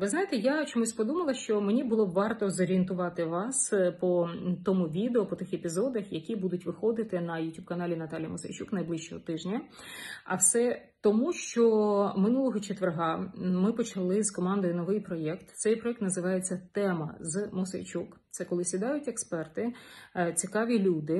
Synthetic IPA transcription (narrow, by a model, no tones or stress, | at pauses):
ʋɪznɑjet̪ɛjat͡ʃɔmusʲpɔd̪umɐlˠɐʃt͡ʃɔmenʲibʊlˠɔʋɑrt̪ɔzɔɾʲient̪̬ʊʋɑt̪ɪʋɑspɔt̪ɔmuʋʲid̪eɔpɔt̪ɪxepʲizɔd̪ɐxjɐkʲibud̪ʊtʲʋɪxɔd̪ɪt̪ɪnɐjʊtʲub̚kɐnɑlʲinɐt̪ɑlʲijɐmɔsɐ̰jt͡ʃuknɐjblˠɪʃt͡ʃɔ̰ɦɔt̪ɪʒnʲɐ | ɐ̰wsɛ | t̪ɔmuʃt͡ʃɔmɪnulˠɔɦɔt͡ʃet̪ʋerɦɑmɪpɔt͡ʃɐlˠɪz̥kɔmɑnd̪ɔjnɔʋɪjpɾɔjɛkt̪t̪sɛjpɾɔɛk̚t̪nɐzɪʋɑjet͡sʲːɐt̪ɛmɐ̰zmɔsɐ̰jt͡ʃukt̪sɛkɔlˠɪsʲid̪ɑjʊtʲekspɛrt̪ɪt͡sʲikɑʋʲilʲud̪ɪ